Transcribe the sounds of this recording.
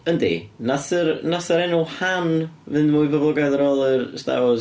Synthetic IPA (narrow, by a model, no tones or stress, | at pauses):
əndḭnaθərnasəɾɛnʊlˠhanvɨndmuɨvəvlˠɔɡajðəɾoːlˠərsta̰ɔ